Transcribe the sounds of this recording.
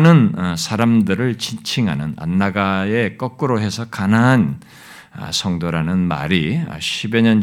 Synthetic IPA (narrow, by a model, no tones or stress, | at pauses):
nɯnsʰaɾamdɯɾɯɭt͡ɕint͡ɕʰiŋɦa̰nɯna̰nːaɡae̞k͈ʌk͈ɯɾoɦe̞sʰʌkanaɦan̰ | sʰʌŋdoɾanɯnma̰ɾiʌ̰ɕʰibeɲʌn